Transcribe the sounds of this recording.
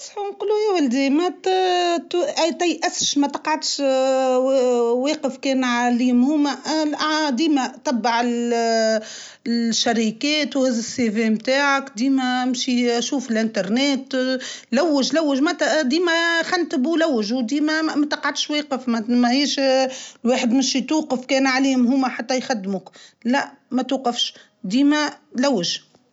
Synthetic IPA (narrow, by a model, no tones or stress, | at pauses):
sˤħnqulːuewɪld̪imæt̪t̪ʔt̪æjʔæsʃmæt̪ɑqʕad̪ʃ | weːqəfkɛːnʕaliːmhuːmæ | d̪iːmæt̪ːɑbːɑʕɪl | ʃːaɾikɛːt̪whɪzɪsːevemt̪aːʕakd̪iːmæmʃiæʃuːfɪlʔɪnt̪ɑɾˤnɛːt̪læwːəʒlæwːəʒmæt̪d̪iːmæxant̪əbulæwːɪʒwd̪iːmæmæt̪ɑqʕad̪ʃweːqəfmæmæhiːʃlweːħəd̪mɪʃit̪uːqəfkɛːnʕaliːhmɦʊmːæħat̪ːæjxad̪ːmʊklæʔmæt̪uːqəfʃ | d̪iːmælæwːɪʒ